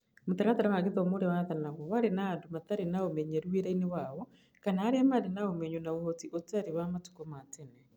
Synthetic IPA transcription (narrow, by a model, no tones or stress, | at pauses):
motaɾataɾawaɣeðɔːmoɾewaðanaɣɔwaɾenaːndomataɾenaomɛɲeɾueɾainewawɔ | kanaːɾeamaɾenaomɛɲwonaohotiʔotaɾiwamatu̥kɔmatenɛ